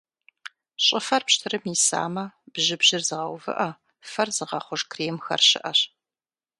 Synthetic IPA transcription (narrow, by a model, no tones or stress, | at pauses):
ɕʼɪfɐrpɕtʰɨrɨmisa̰ːmɐb̥ʒɨbʑɪrzɨʁɐwvɨ̰ʔɐ | fɐrzɨʁɐχʷʊʒkʰreːmxɐ̰rɕɪ̰ʔɐɕ